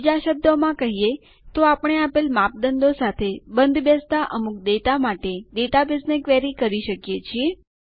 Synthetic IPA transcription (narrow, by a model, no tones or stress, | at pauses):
id͡ʒaʃəb̚d̪omãkəɦije | t̪oapəɳ̃eapelmap̚d̪ənd̪osat̪ʰebənd̪ʱbəst̪aʔəmuk̚d̪et̪amaʈed̪et̪abɪsnekʋɛɾikəɾiʃəkjet͡ʃʰie